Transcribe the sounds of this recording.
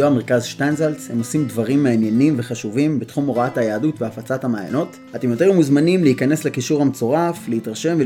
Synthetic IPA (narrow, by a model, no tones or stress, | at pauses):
oame̞ʁkazʃtanzalshemo̞simdvaʁimːeanjenimve̞χaʃuvimbetχumo̞ʁaathajaːdutveafat͡sathamaːja̰no̞t | at̪emjot̪iumuzmanimleikane̞sle̞kiʃuʁhamet͡so̞ʁafleitʁaʃe̞mve